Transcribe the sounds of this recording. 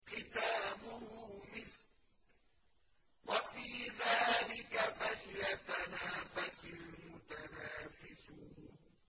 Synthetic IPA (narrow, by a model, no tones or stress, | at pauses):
qɪt̪aːmʊhʊmɪs | wafiːðaːlɪkafaljat̪anaːfasɪlmʊt̪anaːfɪsʊːn